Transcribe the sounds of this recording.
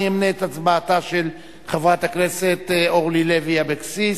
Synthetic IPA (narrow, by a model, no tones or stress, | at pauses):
emneːt̪at͡sbaːtaʃel | χavʁat̪akneset̪oʁlileviabeksi